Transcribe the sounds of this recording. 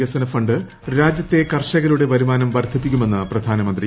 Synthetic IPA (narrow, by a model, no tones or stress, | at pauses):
ɐsɐnɐfɐɳɖɨ | ɾaːd͡ʑjɐt̪ːe̞kɐrʂɐɣɐluɽe̞ʋɐɾumaːnɐmʋɐrt̪ʰip̬ːikʲːume̞nːɨprɐd̪ʱaːnɐmɐnd̪ri